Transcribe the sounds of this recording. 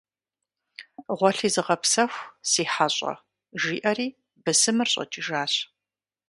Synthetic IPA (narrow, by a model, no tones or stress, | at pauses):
ʁʷɔɬiːzɨʁɐpsɐxʷsiːħaɕʼɐ̰ | ʒiːʔɐriː | bɨsɨmɨrɕʼɐ̰t͡ʃʼiʒaːɕ